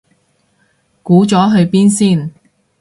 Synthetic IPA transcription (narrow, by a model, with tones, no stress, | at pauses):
kuː˨˥t͡sɔː˨˥ɦɵ˧ɥpiː˥nsiː˥˩n